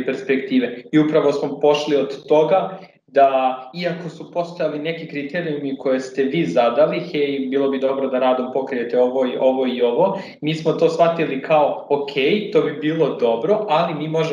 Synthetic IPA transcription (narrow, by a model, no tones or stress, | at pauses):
peɾspekt̪iːʋe̞iupɾaʋo̞smo̞po̞ʃlio̞d̪ːo̞ɡa | d̪aiako̞supo̞st̪ojaline̞kikɾit̪eɾiumikʰo̞je̞st̪e̞ʋiːzad̪alixejbiːlˠo̞bid̪o̞bɾod̪aɾaːd̪o̞mpo̞kɾije̞t̪e̞o̞ʋoiʔo̞ʋo̞io̞ʋo̞ | miːsmot̪o̞ːsʋat̪ilikʰao̞okʰe̞ːjt̪o̞ːbibiːlˠo̞d̪o̞bɾo̞ʔalimiːmo̞ʒe